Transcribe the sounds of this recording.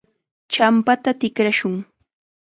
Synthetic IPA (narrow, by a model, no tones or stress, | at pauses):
t͡ʃampat̪at̪ɪkɾaʃʊŋ